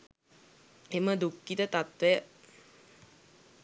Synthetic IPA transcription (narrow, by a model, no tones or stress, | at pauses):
eməd̪ukːit̪ət̪at̪ʋɛjə